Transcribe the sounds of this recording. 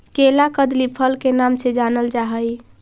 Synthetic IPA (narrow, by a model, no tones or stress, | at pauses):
kelakəd̪lipʰəlkenamsed͡ʒanəld͡ʒaɦəj